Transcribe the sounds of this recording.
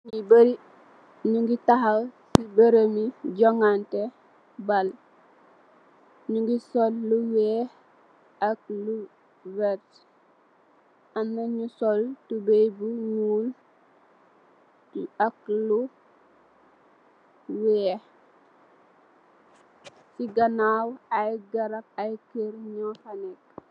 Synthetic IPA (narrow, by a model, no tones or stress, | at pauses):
ibɾi | ɲuŋɡitaɦasibəɾəmiɟɔŋante | bal | ɲuŋɡisolːuweh | ak̚lu | vɛt | anːaɲusoltubejbuɲuːl | ak̚lu | wɛː | siɡɐnaːwɐjɡɐɾɐk̚ɐjkeɾɲɔfanɛk̚